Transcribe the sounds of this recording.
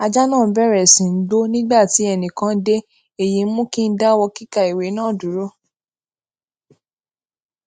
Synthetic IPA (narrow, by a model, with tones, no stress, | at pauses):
a˧d͡ʒa˦nãː˦˨m̩˦bɛ˦˨ɾɛ˨sĩ˨n̩˦do˦nĩ˦ɡ͡ba˦˨ti˨˦ɛ˧nĩ˨kã˧˦de˦ | e˦˨ji˨˦mũ˦kĩ˦n̩˦da˦wɔ˧ki˦ka˦˨i˨we˨˦nãː˦˨du˨˦ɾo˦